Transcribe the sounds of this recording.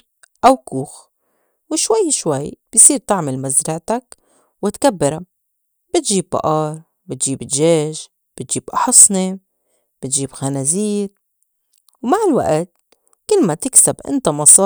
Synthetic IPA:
ʔawkuːx | wɪʃwajːʃwajb̥jsˤiːɾt̪ɪʕmɪlmazɾɑʕt̪ak | wɪt̪kabːɪɾa | b̥ɪt̪ʒiːb̚ːɑ̰ʔɑːɾˤ | bɪt̪ʒiːbɪd̪ʒeːʒ | b̥ɪt̪ʒiːbʔɑħɑsˤni | b̥ɪt̪ʒiːbxanaziːɾ | wmaʕɪlwa̰ʔt̪̚ | kɪlːmat̪ɪksabʔɪ̰nt̪amɑsˤɑː

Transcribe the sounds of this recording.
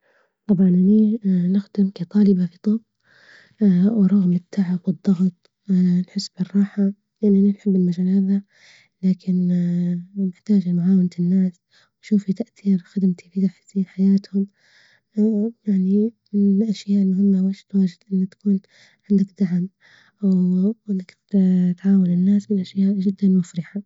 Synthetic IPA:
t̪ˤɑbʕɑnʔaninɪxd̪ɪmkat̪ˤɑːlɪbafit̪ˤʊb | wɾˤʊɣmɪt̪ʰːaʕɪbwɨd̪ˤːɑɣt̪ˤ | ʔʔanħɪsːb̥ɪrˤːɑːħa | jaʕniʔaninħɪbːɪnmad͡ʒalaːða | laːkɪn | nɪħt̪aːd͡ʒanʕaːwɪnt̪ɪnːaːs | wʃuːfit̪aʔθiːɾxad̪ɪmt̪ʰifit̪aħsiːnħajaːt̪hʊm | jaʕni | ɪʔaʃjaːʔɪlmʊɦɪmːawaːʃɪt̪waːd͡ʒɪd̪ʔɪnːat̪ḁkuːn | ʕɪnd̪ɪkd̪aʕm | ʔawʔɪnːak | t̪ʕaːwanɪnːaːsmɪnʔaʃjaːʔʒɪd̪ːanmʊfɾɪħa

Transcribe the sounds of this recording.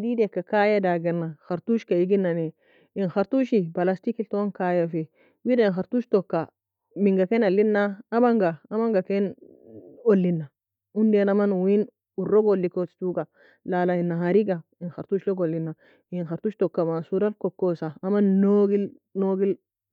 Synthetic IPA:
didekːakajadaɡenːaxaɾtuʃkaiɡinːane | inxaɾtuʃibalastikiltowaŋkajafe | widainxaɾtuːʃtokːa | miŋɡakenalːinːaːmaŋɡaamaŋɡaken | olːinːa | undenamanwin | uroɡolːikostuɡa | lalainːaɦaɾiɡa | inxaɾtuːʃloɡolːinːa | inxaɾtuʃtokːamasuɾalkokːosaːmanːoɡil | noɡil

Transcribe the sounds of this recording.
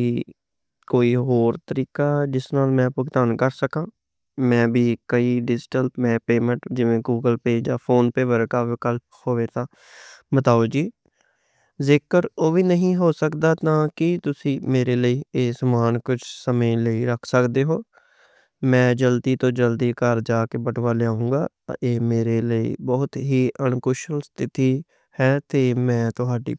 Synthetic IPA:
iː | koːiːɦoːɾt̪əɾiːkaːd͡ʒɪsnaːlmɛ̃ːpəɡt̪aːnkəɾsəkãː | mɛ̃ːbiːkəiːɖɪd͡ʒʈəlpmɛ̃ːpeːmə̃ɳʈd͡ʒɪʋẽːɡuːɡəlpeːd͡ʒd͡ʒaːpʰoːnpeːʋəɾkaːʋɪkəlp̚hoːʋeːt̪ãː | bət̪aːoːd͡ʒiː | zɪkəɾoːʋiːnəɦĩːɦoːsəkd̪aːt̪ãːkɪt̪ʊsĩːmeːɾeːləiːeːsəmaːnkʊt͡ʃʰsəmẽːləiːɾəkʰsəkd̪eːɦoː | mɛ̃ːd͡ʒəld̪iːt̪õːd͡ʒəld̪iːkəɾd͡ʒaːkebəʈʋaːleaːũːɡaː | eːmeːɾeːləḭːbɔːʊt̪ɦiːʔənkʊʃəlst̪ʰɪt̪iː | hɛːt̪eːmɛ̃ːt̪ʊɦaːɖḭː

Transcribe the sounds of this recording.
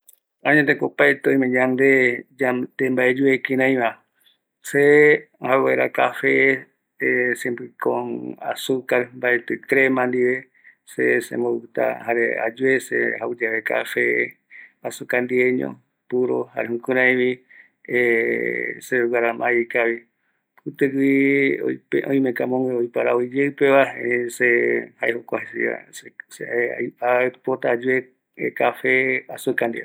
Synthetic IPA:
ãɲẽt̪ekopaet̪eõĩmẽɲãnd̪ed͡ʒad̪embaed͡ʒuekĩɾãĩβã | se | hawaeɾakafe | sembikõ̰na̰sukaɾmbaet̪ɨkɾemãnd̪iβe | sḛsḛ̃mboβɨt̪a̰haɾḛa̰d͡ʒuesḛhaud͡ʒaβeka̰fe | asukand̪ieɲõ̰ | puɾo̰haɾeɦũkɨɾãĩβi | e | seuwaɾamãjkaβi | ɨt̪ɨkio̰peʔõj̃mẽkamõŋweojpaɾaoid͡ʒeɨpeʋasehaehokʷahesḭa̰esapot̪aːd͡ʒue | ekafeasukãnd̪ḭ

